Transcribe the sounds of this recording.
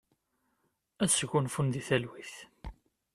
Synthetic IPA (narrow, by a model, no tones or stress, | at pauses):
æsʝunfunðiθælwiθ